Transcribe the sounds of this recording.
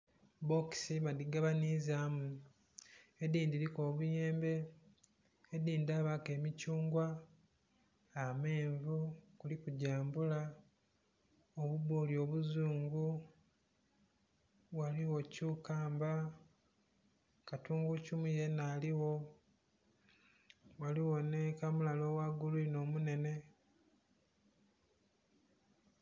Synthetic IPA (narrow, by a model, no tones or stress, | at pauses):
bo̞ksiβadiɡaβanizamu | ediːndiɾikoːβuje̞ːmbe̞ | diːndaβake̞ːmicuːŋɡwa | me̞ːɱvukulikuɟaːmbula | oβuβoːljo̞ːβuzuːŋɡu | waliwo̞cuːkaːmba | katuːŋɡucumuje̞naːliwo̞ | waliwo̞ne̞kamulalo̞waɡuluino̞ːmune̞ne̞